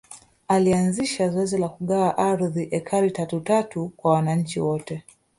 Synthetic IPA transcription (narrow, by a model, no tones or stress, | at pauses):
alianziʃazɔɛzilakuɠaaʔaɾðiʔɛkʰaɾitatutatukwawanaɲ̩t͡ʃiwɔtɛ